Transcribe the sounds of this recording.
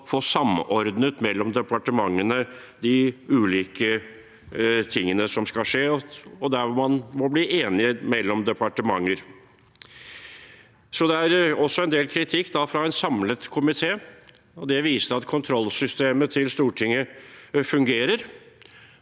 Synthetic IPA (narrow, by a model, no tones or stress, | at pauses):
foːsɑmɔɾd̪nət̪mɛlːɔmd̪ɛpɑʈəmɑŋːənə | d̪ɪʉːliːkə | t̪ʰɪŋːənəsɔmskɑʂeːɔɔd̪æɾʋɔmɑnmɔbliːʔeːnɪəmɛlːɔmd̪ɛpʰɑʈəmɑŋːəɾ | sɔd̪ɛæɾɔsːɔɛnd̪eːlkʰɾɪt̪ʰɪkːd̪ɑfɾɑɛnsɑmlət̪kʰʊmɪt̪ʰeː | ɔd̪ɛʋiːsəɾɑt̪kʰʊnt̪ʰɾɔlːsʏst̪eːmət̪ʰɪlst̪uːʈʰɪŋːəfʉŋɡeːɾəɾ